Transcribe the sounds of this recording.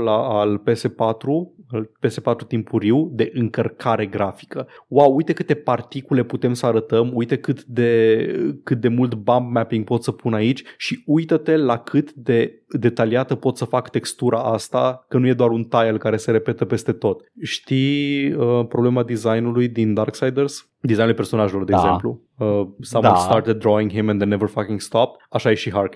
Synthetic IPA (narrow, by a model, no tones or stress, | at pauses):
laːlpe̞se̞pat̪ɾualpe̞se̞pat̪ɾut̪impʰuɾiwd̪e̞ʔɨŋkərkʰaɾe̞ɡɾafi̥kəwawujt̪e̞kɨt̪e̞part̪ikule̞put̪e̞msəaɾət̪əmujt̪e̞kɨt̪d̪e̞kɨt̪̚d̪e̞mult̪bamb̚mapiŋɡ̚po̞t̪səpunait͡ʃʲʃiujt̪ət̪e̞lakʰɨt̪d̪e̞d̪e̞t̪aliat̪əpo̞t̪səfakt̪e̞kst̪uɾʔaʔast̪a̰kənuje̞d̪oaɾunt̪ajelkaɾe̞se̞ɾe̞pe̞t̪əpe̞st̪e̞t̪o̞t̪ʃt̪iəpɾo̞ble̞mad̪izajnulujd̪ind̪arksajd̪ərs | d̪izajnuljpe̞rso̞naʒelo̞rd̪eɡzze̞̰mplu | əsamɔ̃st̪aɾt̪ed̪̚ːɾoĩŋɡɦimɛ̃nd̪ənevərfakiŋɡst̪ap̚t̪aʃajeʃiɦark